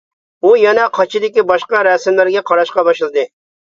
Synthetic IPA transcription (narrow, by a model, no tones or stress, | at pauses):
ujɑnɛqʰɑt͡ʃʰɪd̪ɪkʲibɑʃqɑɾɛsɪmlɪɾɡʲɛqʰɑɾɑʃqɑbɑʃlˠɨd̪ɪ